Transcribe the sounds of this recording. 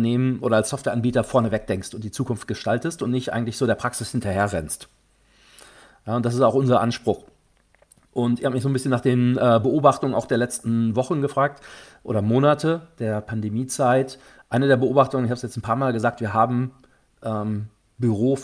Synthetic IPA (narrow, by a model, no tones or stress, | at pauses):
neːmənʔoːɾɐalsɔftv̥ɛːɐʔanbiːtɐfɔɐnəvɛk̚d̥ɛŋkstʊntd̥iːt͡suːkʊnft̚ɡ̥əʃtaltəstʊntnɪçtʔa̰ɪɡŋ̩tlɪçz̥oːdɾeːɐpʁ̥aksɪshɪntɐheːɐʁɛ̰nst | jaːʊntd̥as̬ɪstaʊxʔʊnzɐʔanʃpʁ̥ʊx | ʔʊntɪçhaːbəmɪçz̥oːnbɪsçənaːχd̥eːnʔɛːbəʔoːbaχtʊŋənaʊxd̥eːɐlɛt͡stn̩vɔχn̩ɡəfʁ̥aːk̚tʔo̰ːɾɐmoːnatʰəd̥eːɐpʰandemiːt͡saɪt | ʔaɪnədeːɐbəʔoːbaχtʊŋənɪçhabəsjɛt͡sn̩pʰaːɐmaːlɡəzaːk̚tv̥iːɐɦaːbm̩ | ʔɛːm | byʁoː